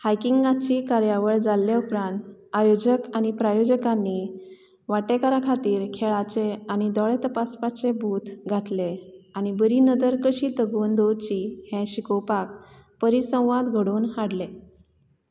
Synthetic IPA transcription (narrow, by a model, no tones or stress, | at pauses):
hajkiŋɡãt͡ɕikaɾjaʋəɭd͡zalːeupɾãnt̪ajod͡ʑəkañipɾajod͡ʑəkanːi | ʋaʈekaɾakʰat̪iːɾkʰeɭat͡ɕeañid̪ɔɭet̪əpaspat͡sebʱuːt̪ɡʱat̪leañibəɾinəd͡zəɾkəɕiːt̪əɡʋənd̪od̪t͡ɕihɛ̃ɕikɔwpak̚ | pəɾisə̃w̃ʋãd̪ɡʱəɽoːnɦaɽle